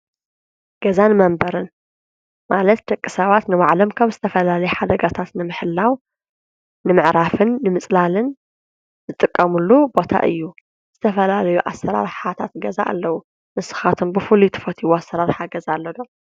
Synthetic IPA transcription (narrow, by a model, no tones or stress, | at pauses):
ɡ̥ɐzanmɐmbɐɾɨn | malɐt̪̚d̪ɐkʼːisɐβat̪nɨmaʕlɐmkʰɐβzɨt̪ʰɐfɐlalɐjɛħad̪ɐɡat̪ʰat̪nɨmɨħɨlːawː | ɨmɨʕɾafɨnːɨmɨt͡sʼlalɨn | ɨzɨt̪ʼɨkʼːɐmulːubo̞t̪ʰa̰ʔɨ̰jːu | z̥ɨt̪ʰɐfɐlalɐjuʔa̰sːɐɾa̰ɾħat̪ʰat̪ɡɐza̰ʔːlːɐwu | nɨsɨ̥xat̪ʰumbɨfɨlut̪ʰɨ̥fɐt̪ʰiwuasːɐɾaɾħaɡɐzalːɐd̪o